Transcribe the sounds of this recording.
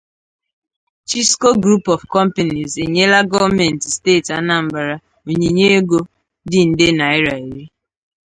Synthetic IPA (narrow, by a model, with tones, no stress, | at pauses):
t͡ʃi˦sko˦ɡɾu˦pɔ˨vkɔ˦m̩˦pe˨ni˨ze˨ɲe˦la˦ɡɔ˦vmɛ˨n˨tsteː˦˨ta˦na˨m̩˨ba˨ɾa˦ | o˨ɲe˨ɲe˦e˦ɡo˦ | dɪ˦n̩˨de˦na˨ɪ˦ɾa˨i˨ɾi˦